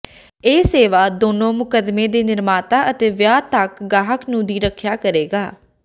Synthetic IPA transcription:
eːseːʋaːd̪oːnõːmʊkəd̪meːd̪eːnɪɾmaːt̪aːʔət̪eːʋjaːt̪əkɡaːɦəknũːd̪iːɾəkʰjaːkəɾeːɡaː

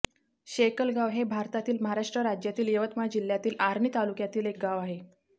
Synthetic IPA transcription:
ɕekəlɡaʋɦebʱaɾt̪at̪iːlməɦaɾaʂʈɾəɾad͡ʑjat̪iːljəʋət̪mad͡ʑil̤jat̪iːlaɾɳit̪alukjat̪iːlek̚ɡaʋaɦe

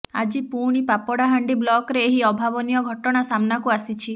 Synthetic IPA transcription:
a̰d͡ʒipuɽ̃ipapɔɽaɦaɳɖiblɔkɾeːɦiɔbʱabɔnijɔɡʱɔʈɔɽ̃asamnakuasit͡ʃʰi

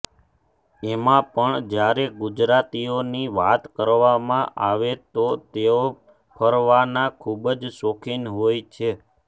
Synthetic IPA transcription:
emãpəɳd͡ʒjaɾeɡud͡ʒɾat̪ioniʋat̪kəɾʋamãʔaʋet̪ot̪eo | pʰəɾʋanakʰubəd͡ʒsokʰinɦojt͡ʃʰe

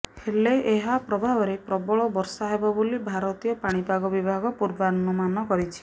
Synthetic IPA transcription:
heleʔeɦapɾɔbʱabɔɾepɾɔbɔɭɔbɔɾsaɦebɔbolibʱaɾɔt̪ijɔpaɽ̃ipaɡɔbibʱaɡɔpuɾbanːɔmanɔkɔɾit͡ʃʰi̥

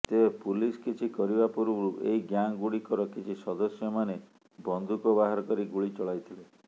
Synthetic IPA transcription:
t̪eepuliskit͡ʃʰikɔɾibapuɾuɾuʔḛɦiɡjaŋɡuɽikɔɾɔkit͡ʃʰisɔd̪ɔsjɔmane | bɔnd̪ʱukɔbaɦaɾɔkɔɾiɡuɭit͡ʃɔɭajt̪ʰile

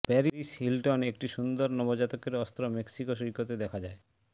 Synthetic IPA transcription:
pɛɾiɾiʃhilʈonekʈiʃund̪oɾnɔbod͡ʑat̪okeɾɔst̪ɾomeksikoʃ̬ɾikot̪ed̪ɛkʰad͡ʑae

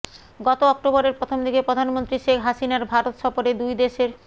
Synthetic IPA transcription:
ɡɔt̪oɔk̚ʈobɔɾeɾpɾot̪ʰomd̪ʱikepɾod̪ʱanmont̪ɾiʃekʰɦaʃinaɾbʱaɾot̪ʃɔfoɾed̪ujd̪eʃeɾ

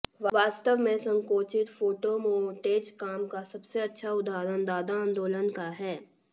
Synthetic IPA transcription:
ʋʋaːst̪əʋmẽsɐ̃ŋkoːt͡ʃɪt̪foːʈomoːʈeːd͡ʒkaːmkasɐbseɐtːʃʰaʊd̪aːɾənd̪aːd̪aãːnd̪oːlənkaɦɛː

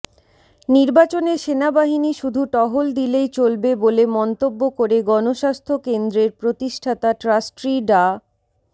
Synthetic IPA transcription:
niɾbat͡ɕoneɾʃenabaɦiniʃud̪ʱuʈɔɦold̪ilejt͡ɕolbebolemɔnt̪obːokoɾeɡɔnoʃast̪ʰokend̪ɾeɾpɾot̪iʃʈʰat̪aʈɾasʈɾiɖa

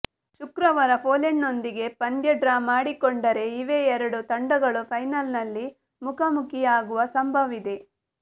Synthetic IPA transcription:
ʃukɾɐʋɐɾɐpʰoːleɳːo̞nd̪iɡe̞pɐnd̪jɐɖɾaːmaːɽikoɳɖɐɾe̞iʋe̞ɛɾɐɽut̪ɐɳɖɐɡɐɭupʰɐjnɐlnɐlːi | mukʰɐmukʰijaːɡuʋɐsɐmbʱɐʋid̪e̞

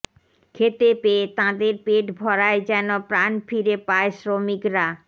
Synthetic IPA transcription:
kʰet̪epet̪ãd̪eɾpeʈbʱɔɾaed͡ʑɛnopɾanfiɾepaesɾomikɾa

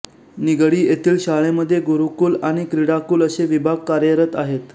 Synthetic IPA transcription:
niɡɽiːjet̪iːlɕaɭeməd̪ʱːjeɡuɾukuːlaɽ̃ikɾiɽakuːləɕeʋibʱaɡ̚kaɾjəɾət̪aɦet̪

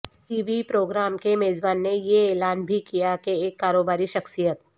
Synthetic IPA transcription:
ʈiːʋipɾoːɡɾaːmkemeːzbaːnːejeɛːlaːnbʱikijakeːkːaːɾoːbaːɾiʃɐxsijət̪

